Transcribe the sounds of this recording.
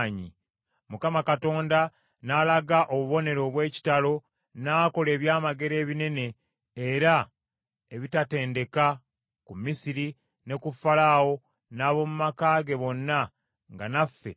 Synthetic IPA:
ɲḭ | mukamakato̞ːnda | nalaɡaʔo̞βuβo̞ne̞ɾo̞ːβwe̞ːci̥talo̞ | naːko̞le̞ːβjaːmaɡe̞ɾe̞ːβine̞ne̞ː | ɾa | e̞βitate̞ːnde̞ka | kumisiɾi | ne̞kufːalawo̞ | naːβo̞mumakaːɡe̞βo̞nːa | ŋɡanafːe̞̰

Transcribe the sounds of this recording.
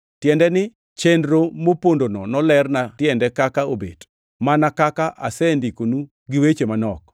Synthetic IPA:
tjɛndɛnɪ | t͡ʃendɾomopondonɔnɔlɛrnatjɛndɛkakaobḛt | manakakaʔa̰sɛndikonu | ɡɪwet͡ʃemanɔk

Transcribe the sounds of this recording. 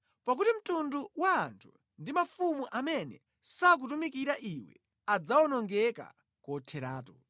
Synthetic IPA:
pak̬utim̩tunduwaːntʰu̥ | ndimafumuʔamɛnɛ̰ | sak̬utumikiɾaʔiwɛ̰ | ad͡zawɔnɔŋɡɛka̰ | kɔtʰɛɾaːtɔ

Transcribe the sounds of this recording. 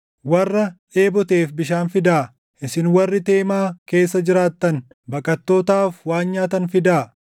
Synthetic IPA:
wɐrːɐ | e̞ːbɔt̪eːfbɪʃaːnfɪd̪aː | ʔɪsɪnwɐrːɪt̪eːmaːke̞ːsːɐd͡ʒɪɾaːt̪ːɐn | bɐkʼɐt̪ːo̞ːt̪aːfwaːnɲaːt̪ɐnfɪd̪aː

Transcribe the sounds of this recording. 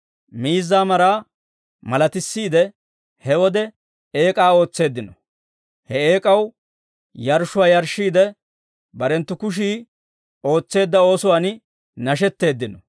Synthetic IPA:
miːzːaːmɐɾaː | mɐlɐt̪ɪsːiːd̪ɛ | hɛwɔd̪ɛ | eːkʼaːo̞ːt͡sːe̞ːd̪ːɪnɔ | hɛeːkʼɐw | jɐɾʃʊwaːjɐɾʃːiːd̪ɛ | bɐɾɛnt̪ːʊkʊʃ̬iː | o̞ːt͡sːe̞ːd̪ːɐo̞ːsʊwaːn | nɐʃ̬ɛt̪ːe̞ːd̪ːɪnɔ

